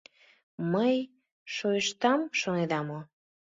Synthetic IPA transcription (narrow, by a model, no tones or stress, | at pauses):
məj | ʃojəʃt̪ɑmʃoned̪ɑmo